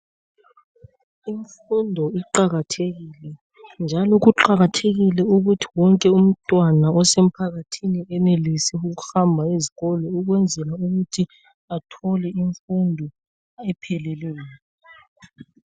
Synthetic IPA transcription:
iɱfundʱɔiǃaɣatʰeɣiːlɛ | nd͡ʒʱalɔɣuǃaɣatʰeɣilɛuɣutʰi̥wɔŋkʼɛum̩tʼwanaɔsem̩pʰaɣatʰiniɛnelisiuɣuhambʱaiziɣɔlɔuɣwɛnd͡zʱɛlauɣutʰi | atʰɔlɛiɱfundʱɔ | ɛpʰɛlɛlɛlaːk

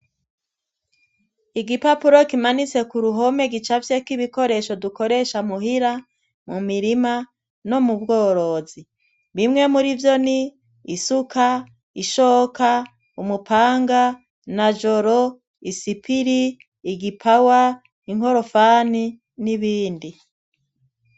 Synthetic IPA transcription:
iɡipapuɾo̞kimanit͡se̞kuɾuɦo̞me̞ɡit͡ʃavjekiβiko̞ɾe̞ʃo̞duko̞ɾe̞ʃamuhiɾa | mumiɾima | no̞mubɡo̞ːɾo̞ːzi | βimŋe̞muɾivjo̞niː | sukʰa | iʃoːka | umupaːŋɡa | nad͡ʒo̞ɾo | isipiɾiː | ɡipʰawa | iŋho̞ɾo̞faːni | niβiːndi

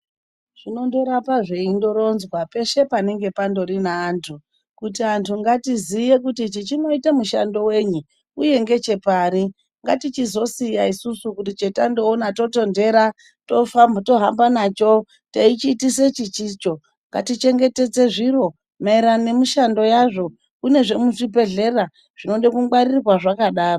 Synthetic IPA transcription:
ʐ̥ino̞ndo̞ɾapaʐeindo̞ɾo̞nzwape̞ʃe̞pane̞ŋɡe̞pando̞ɾinaːntʰu | kutiantʰuŋɡatizije̞kutit͡ʃit͡ʃino̞itamuʃando̞we̞ɲu | uje̞ŋɡe̞t͡ʃe̞paːri | ŋɡatit͡ʃizo̞sijaisusukutit͡ʃetando̞ːnato̞to̞nde̞ɾa | to̞famto̞ɦambanaːt͡ʃo̞ | tait͡ʃiːtise̞t͡ʃit͡ʃit͡ʃo̞ | ŋɡa̰tit͡ʃe̞ŋɡe̞te̞d͡ze̞ʐiɾo̞ | maiɾane̞muʃando̞jaʐo̞ | kune̞ʐe̞muʐibe̞ɮe̞ra | ʐ̥ino̞nɗekuwaririrwaʐakaɗaːro

